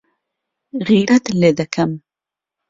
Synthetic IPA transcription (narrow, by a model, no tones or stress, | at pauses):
ɣiɾat̪led̪akʰam